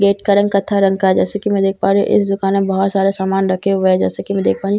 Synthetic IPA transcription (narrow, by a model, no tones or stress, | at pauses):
ɡeːʈkɐɾə̃ŋɡkɐt̪ʰaɾə̃ŋɡkaɛd͡ʒɛːsekimɛ̃d̪eːk̚ʰpaːɾiʔɪ̰sd̪ʊkaːnmẽbɐɦɔt̪saːɾesaːmaːnɾɐkʰeʊd͡ʒɛ̰ːsekimɛ̃d̪eːkʰpaːɾi